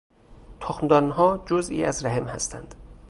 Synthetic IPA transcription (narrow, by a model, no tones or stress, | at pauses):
t̪ʰoxnd̪ɒnɦɒːd͡ʒozḭːʔæzɾæhemhæ̰st̪ʰæ̰nd̪̥